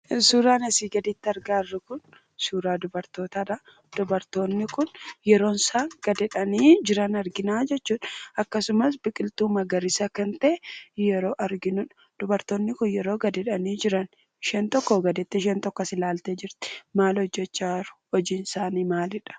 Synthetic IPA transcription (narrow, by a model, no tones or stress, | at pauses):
suːɾaːnɐsiːɡɐd̪it̪ːɐɾɡaːrːɐkʊn | suːɾaːd̪ʊbɐɾt̪o̞ːt̪aᶑɐ | d̪̥ɔbɐɾt̪o̞ːnːɪkʊnjɛɾo̞ːnsaːŋɡ̥ɐd̪ɛᶑɐniːd͡ʒɪɾɐnɐɾɡɪnaːd͡ʒɛt͡ʃːuːᶑɐkːɐsʊmɐsbɪkʼɪlt̪uːmɐɡɐɾɪsɐkɐnt̪ɐʔjɛɾo̞ːʔɐɾɡɪnʊᶑ | d̪̥ʊbɐɾt̪o̞ːnːɪkʊnjɛɾo̞ːɡɐd̪ɛᶑɐniːd͡ʒɪɾɐn | ʃɛnt̪ɔkːɔɡɐd̪ɛt̪ːɛʃ̬ɛːnt̪ɔkːɐsɪlaːlt̪eːd͡ʒɪɾt̪ɪ̥maːlhɔd͡ʒːɛt͡ʃːaːɾʊ̥hɔd͡ʒiːnsaːniːmaːlɪᶑɐ̥